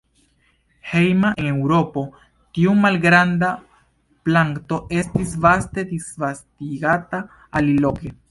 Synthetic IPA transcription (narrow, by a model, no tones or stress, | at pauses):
he̞jmaʔe̞ne̞wɾo̞po̞ | tiumalɡɾanda | plaŋkto̞ʔe̞stisvaste̞disvastiɡata | alilo̞ke̞